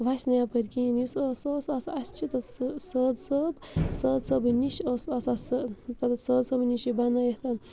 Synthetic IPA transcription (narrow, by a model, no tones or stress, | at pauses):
ʋasnɐjapɐɾʲkĩnjisosoːsɐsɐst͡ʃʰit̪ɐt̪səːd̪səbsəːd̪sɐbniʃosɐsɐst̪ɐt̪səːd̪sɐbniʃibɐnɐjeht̪ɐ